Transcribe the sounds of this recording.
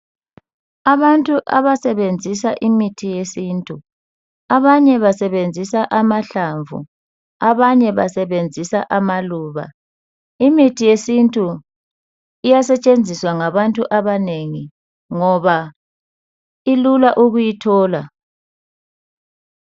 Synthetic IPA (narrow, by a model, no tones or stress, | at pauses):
aβantʼuʔaβasɛβend͡zʱisaʔimitʰijesiːntʼu | aβaɲɛβasɛβend͡zʱisaʔamaɬaɱvṵ | aβaɲɛβasɛβend͡zʱisaʔamaluːβa̰ | imitʰijesintʼu | ijasɛt͡ʃʼend͡zʱiswaŋaβantʼuʔaβaneŋi | ŋɔβa | ilulaʔuɣujitʰɔːla